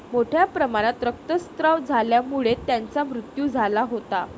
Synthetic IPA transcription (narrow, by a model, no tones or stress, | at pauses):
moʈʰjapɾəmaɽ̃at̪ɾək̚t̪əst̪ɾəʋd͡zʱaljamuɭet̪jant͡samɾut̪juːd͡zʱalaɦot̪a